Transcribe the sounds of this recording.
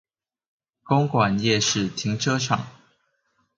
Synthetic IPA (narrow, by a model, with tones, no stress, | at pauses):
ko˥ŋkwa˨˩njɛ˥˧ʂɻ̩˥˨t̪ʰi˨˥ŋʈ͡ʂʰɤ˥ʈ͡ʂʰɑ̰˨˩˦ŋ